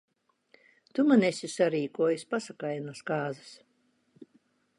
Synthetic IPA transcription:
t̪umanesʲisaɾiːkuɔjasʲpasakajanaskaːzɨ̥s

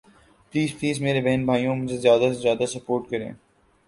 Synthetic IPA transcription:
pliːzpliːzmeːɾebɛɦnbʱaːijõmʊd͡ʒʱezjaːd̪asezjaːd̪asɐpoːɾʈkɐɾḛ̃ː

